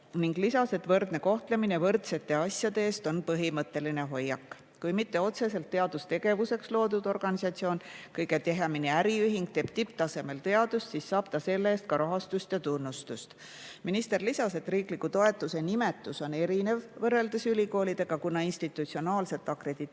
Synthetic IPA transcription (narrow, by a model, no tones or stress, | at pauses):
niŋɡlisɑse̞t̪vɤrd̪ne̞ko̞ht̪leminevɤrt̪se̞t̪ːˑe̞ɑsʲjɑd̪̥e̞eːst̪o̞npɤɦimɤt̪ːˑe̞line̞ɦo̞jːɑkːˑ | kujmit̪ːe̞o̞t̪se̞se̞lt̪ːe̞ɑd̪̥ust̪e̞ɡe̞vuse̞kslo̞ːd̪ud̪̥o̞rɡ̥ɑnisɑt̪sio̞ːnkɤjɡe̞t̪e̞ɦemineæɾiyɦiŋɡ̥̚t̪e̞ːb̥̚t̪ip̚ːˑt̪ɑse̞me̞lt̪e̞ɑd̪ust̪sisːɑːb̥t̪ɑse̞lːeest̪̚kɑɾɑɦɑst̪ust̪jɑt̪unːust̪ust̪ | minist̪e̞rlisɑse̞t̪ːriːklikːˑut̪o̞e̞t̪ːˑuse̞nime̞t̪ːˑuso̞ne̞ɾine̞vvɤrːe̞ld̪̥esylʲiko̞ːlʲid̪̥e̞ɡ̥ɑkunːɑinst̪it̪ːˑut̪sio̞nɑːlse̞t̪ːˑɑkre̞d̪̥i